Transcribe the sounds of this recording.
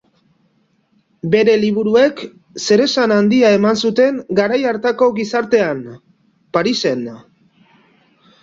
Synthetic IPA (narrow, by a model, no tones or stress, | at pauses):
be̞ɾe̞liβ̞uɾue̞k | se̞ɾe̞sanand̪iae̞mansut̪e̞ŋɡaɾajaɾt̪ako̞ɡisaɾt̪e̞an | paɾise̞n